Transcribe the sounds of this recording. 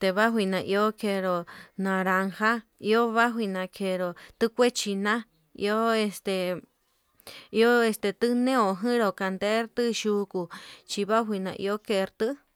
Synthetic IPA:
t̪e˧βa˦ɦʷi˧nã˨ʔi˧o˦kʰe˧ɾo˨nã˨ɾa˧ŋha˦i˧o˦βa˦ɦʷwi˧nã˧kʰe˧ɾo˨t̪ɨ˦kʷe˦t͡ʃi˧nã˦ | ḭ˧o˦e˧st̪e˨ | i˧o˦e˧st̪e˧t̪ɨ˦nẽ˦o˨ɦɨ̃˦ɾo˨ka˨nd̪e˦ɾt̪ɨ˦ʃu˧˦ku˧t͡ʃi˧βa˦ɦʷi˧nã̰˧˨ʔḭ˧o˦ke˧ɾt̪ɨ˦

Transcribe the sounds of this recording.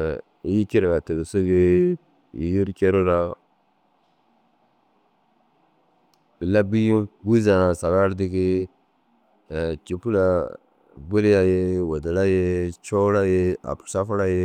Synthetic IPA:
ji˦ki˦ɾɡa˨ti˨ɡsu˦ɡi˦ | i˨ji˦ɾkʲe˦ɾo˦ɾa˦ | bi˨la˦bi˦i˦ɡu˦za˨na˨sa˨ɡa˦ɾdi˦ki˦˨ | t͡ʃi˨pu˦la˦ | bu˦li˦ja˦je˦wo˨di˨la˦je˦t͡ʃo˦ɾa˦je˦a̰˨pu˨sa˦fu˦ɾa˦je˦

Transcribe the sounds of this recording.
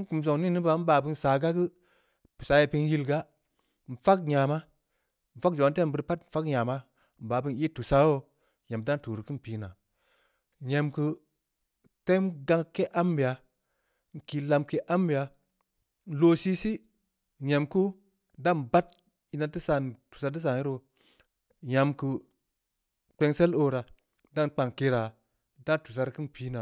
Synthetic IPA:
n̩˦ku˨ms̬o˨ŋni˦nɨ˦ba˧˨m̩˦baː˨bɨ˦˧nsaː˨ɡa˦ɡɨ˦ | pɨ̥˨sa˨˦je˧pi˧nji˧lɡa˦ | n̩˨fa˦k̚ɲa˨ma˦ | m̩˨fa˦k̚d͡ʒo˨n˦te˦˨m˨bɨ˧ɾpa˦tm̩˨fa˦kɲa˨ma˦ | m̩˨ba˨bɨ˧ni˦tu˨sa˦wo˦ | ɲe˨mda˦n˦tu˨ɾi˨kɨ˦n˨pi˨na˨ | ɲe˨mkɨ˧ | te˦mɡa˧˦ŋkːe˦ʔa˦mbi˨ja˨ | ŋ̩˨ki˨la˧mke˧ʔa˦mbi˨ja˨ | n̩˦lo˨˦si˦si˦ | ɲe˨mku˦ | da˦nba˦t̚ | i˧˦na˧tɨ˦sa˧˨n˨tu̥˨sa˧tɨ˦s̬a˨ŋi˦ɾo˧ | ja˨mkɨ˧ | k͡pe˧ŋse˦lo˦ɾa˨ | da˦nk͡pa˧˨ŋke˧ɾa˨ | da˦ntu˨s̬a˨˧ɾkɨ˦npiː˦na˨

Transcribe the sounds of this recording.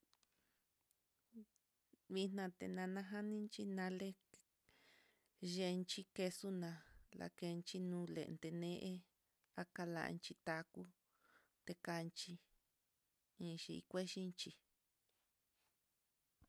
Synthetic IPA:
βi˧n̥ã˧t̪ḛ˧nã˧nã˧ɦa˦nĩ˦nt͡ʃi˦nã˧le˦ | ʒe˧nt͡ʃi˦ke˧su˦nã˧lʔa̰˧˨ke˧nt͡ʃi˧nũː˦lḛ˨˧nd̪e˧nẽ˦ʔe˦ | a˦ka˧la̰˧nt͡ʃi˧t̪a˧ku˦ | t̪e˧ka˧nt͡ʃi˧ | ĩ˧ʃi˧ḭ˧kʷe˦ʃi˦nt͡ʃi˧

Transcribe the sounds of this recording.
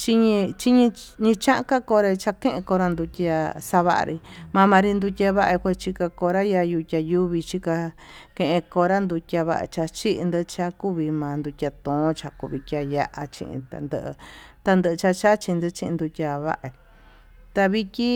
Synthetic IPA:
t͡ʃi˦ɲĩ˧t͡ʃi˦ɲĩ˧ɲĩ˧t͡ʃã˦ʔka˦ko˧ɾe˧t͡ʃa˧kẽ˦ʔẽ˧ko˧ɾa˧nd̪u˧tʲa˧sa˧βa̰˦˧ʔa̰˧ɾi˧mã˧mã˧ɾi˧nd̪u˧tʲa˧βa˦ʔa˧kʷe˧t͡ʃi˧ka˧ko˧ɾa˦ja˧ju˧tʲa˧ju˦βi˧t͡ʃi˦ka˧ | kẽ˧ʔẽ˧ko˧ɾa˦nd̪u˧tʲa˧βa̰˦ʔa̰˧t͡ʃa˧t͡ʃi˦ʔnd̪ɨ˧t͡ʃa˧ku˦βi˧mã˨˧nd̪u˧tʲa˧t̪õ˨˦t͡ʃa˧kṵ˧βi˧kʲa˧ja˧ʔa˧t͡ʃḭ̃˧ʔḭ̃˧t̪a̰˧nd̪ə̰˦˧ʔɨ̰˧t̪a˧nd̪ɨ˧ɨ˧t͡ʃa˧t͡ʃa˦t͡ʃi˧nd̪ɨ˧t͡ʃĩ˦˧ʔ̪d̪u˧tʲa˧βa̰˦ʔa˧ | t̪a˧βi˧kʲi˦

